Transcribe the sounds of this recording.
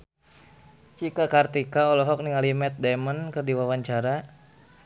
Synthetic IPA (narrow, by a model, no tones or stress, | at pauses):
t͡ʃikakart̪ikaɔlɔɦɔk̚niŋalimɛt̪̚dɛmənkərdiwawaɲt͡ʃaɾa